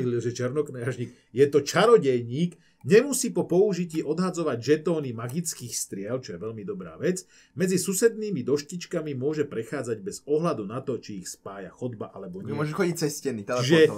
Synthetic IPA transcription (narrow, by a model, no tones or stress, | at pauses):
liʒɛt͡ʃɛɾnɔknɛaʒɲik | jɛt̪ɔt͡ʃaɾɔɟɛjɲiːk | ɲɛmusiːpɔpɔuʒiciːʔɔd̪ɦad͡zɔʋaɟʒɛt̪ɔːnimaɡit͡skiːxst̪ɾɪɛlt͡ʃɔjɛʋɛʎmid̪ɔbɾa̰ːʋɛd͡z | mɛd͡zisusɛd̪niːmid̪ɔʃcit͡ʃkamimʊɔʒɛpɾɛxaːd͡zaɟbɛzɔɦlad̪unat̪ɔt͡ʃiːxspaːja̰xɔd̪baʔalɛbɔɲmɔʒɛxɔɟic̚t͡sɛscɛnit̪ɛʒɛ